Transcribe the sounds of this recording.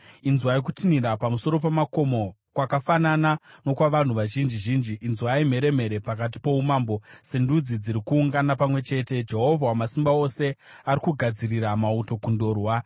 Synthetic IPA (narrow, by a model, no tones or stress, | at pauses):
inzwaik̬u̥tiniɾapamuso̞ɾo̞p̬emako̞mo̞ | kwakafananano̞kwaʋan̤uʋaʒind͡ʒiʒiːnd͡ʒiʔːnzuwaim̤e̞ɾe̞m̤e̞ɾe̞pak̬at̬i̥po̞umaːmbo̞se̞ndud͡zid͡ziɾikuːŋɡanapamwe̞t͡ʃe̞ːte̞d͡ʒe̞ɦo̞vʱawamasimbaose̞ | aɾikuɡʱad͡ziriramauto̞kundo̞ːrwa